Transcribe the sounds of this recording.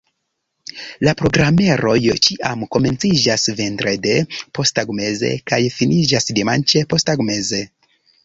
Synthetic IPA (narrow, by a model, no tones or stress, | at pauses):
lapɾo̞ɡɾame̞ɾo̞jt͡ʃiʔamko̞me̞nt͡sid͡ʒasve̞ntɾede̞po̞staɡme̞ze̞̰kajfinid͡ʒasdemant͡ʃe̞po̞staɡme̞ze̞